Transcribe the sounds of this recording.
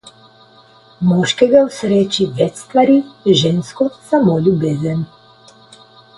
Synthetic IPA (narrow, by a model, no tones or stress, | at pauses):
mɔːʃkɛɡawsɾeːt͡ʃiʋɛt͡ʃst̪ʋaɾiʒeːnskɔsamoːlʲjubeːzən